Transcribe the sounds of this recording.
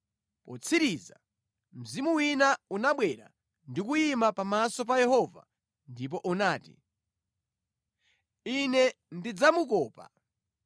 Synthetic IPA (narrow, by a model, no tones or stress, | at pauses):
pɔt͡sʰiɾiːza | m̩zimuwinaunaɓwɛɾa̰ | ndikujimapamasɔp̬ajɛɦɔva̰ | ndip̬ɔʔunaːtḭ | inɛndid͡zamukɔːpa̰